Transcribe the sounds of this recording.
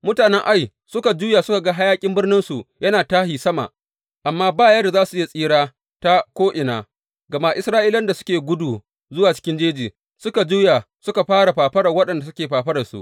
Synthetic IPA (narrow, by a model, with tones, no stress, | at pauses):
mʊ˦taː˨nɛ˦ŋʔa˦j | sʊ˦ka˨d͡ʒuː˦ja˨sʊ˦ka˨ɡa˦ɦa˦jaː˦kʲʼɪ˦mbɪ˦rnɪ˦nsu˨jɐ˦naː˨taː˦hi˨sɐ˦ma̰˨ʔ | ʔa˨mːaː˦baː˦˨jɐ˦da˨zaː˦su˨ʔɪ˦ja˦˨sʼiː˦ɽaː˦ | ta˦kʷoː˦ʔɪ˨na̰ː˨ | ɡɐ˨ma˦ʔɪ˦sɾaː˦ʔiː˦lɐ˦nda˨sʊ̥˦kʲeː˨ɡʷʊ˦duː˨ | zʊ˦waː˨t͡ʃɪ̥˦kʲɪ˦nd͡ʒeː˦d͡ʒiː˨ | sʊ˦ka˨d͡ʒuː˦ja˨ | sʊ˦ka˨ɸaː˦ɽa˨ɸaː˨ɸɐ˦ɽɐ˨wɐ˦ɗɐ˨nda˨sʊ˦kʲeː˨ɸaː˨ɸɐ˦ɽɐ˨sṵ˨ʔ